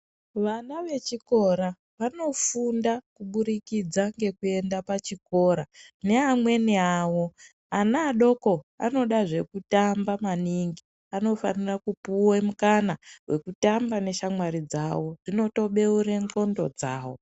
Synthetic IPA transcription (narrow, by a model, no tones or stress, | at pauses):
ʋanaʋe̞t͡ʃiko̞ɾa | ʋano̞fundakuɓuɾikid͡zaŋɡe̞kue̞ndapat͡ʃiko̞ɾane̞amwe̞niawo̞ | anaːɗo̞ko̞a̰no̞ɗaʐe̞kutambamaniŋɡi | ano̞fa̰nirakupuwemukanawe̞kutambane̞ʃamwaɾid͡za̰wo̞ʐino̞to̞ɓe̞uɾe̞ŋɡo̞ndo̞d͡zaːwo̞̰